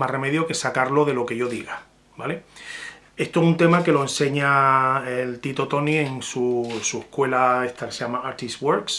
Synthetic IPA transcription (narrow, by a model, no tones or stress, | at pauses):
mareme̞ðjoke̞sakaɾlo̞ðe̞lo̞ke̞ʝo̞ðiɣa | bale̞ | e̞st̪oesunt̪e̞make̞lo̞e̞nseɲaelt̪it̪o̞t̪o̞nie̞ŋsusuehkwe̞lae̞ht̪akeseamaaɾt̪iswo̞ɾks